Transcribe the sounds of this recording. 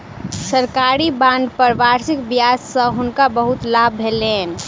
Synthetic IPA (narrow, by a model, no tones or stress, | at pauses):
səɾkaːɾibãːnd̪pəɾʋaːɾsɪkbjaːssə̃ɦʊnkabəɦʊt̪laːbʱele